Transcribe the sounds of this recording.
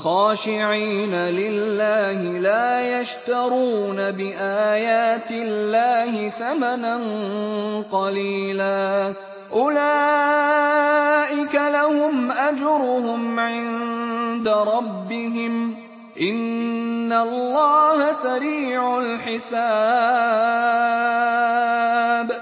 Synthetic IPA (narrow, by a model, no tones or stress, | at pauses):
xɑːʃɪʕiːnalɪlːaːhɪlaːjaʃt̪ɑɾˤuːnabɪʔaːjaːt̪ɪllːaːhɪθamanan | qɑliːlaː | ʔʊlaː | ʔɪkalahʊmʔad͡ʒɾˤʊhʊmʕɪnd̪aɾˤɑbːɪɦɪm | ʔɪnː | alˤːɑːhasaɾiːʕʊlħɪsaː | b